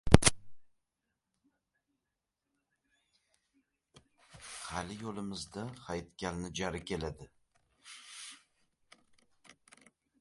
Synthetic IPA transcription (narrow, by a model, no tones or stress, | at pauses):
halɪjolɪmɪzd̪aχajt̪kʲʰalnɪd͡ʒaɾɪkʲʰe̞lad̪ɪ